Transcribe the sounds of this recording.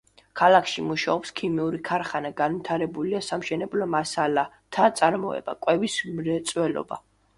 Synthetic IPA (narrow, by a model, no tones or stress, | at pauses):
kʰalˠakʰʃimuʃaɔpskʰimiuɾikʰaɾχanaɡanvit̪ʰaɾɛbuliasamʃɛnɛblɔmasala | t̪ʰat̪sʼaɾmɔɛ̰ba̰kʼwɛvismɾɛt̪sʼwɛlɔ̰ba̰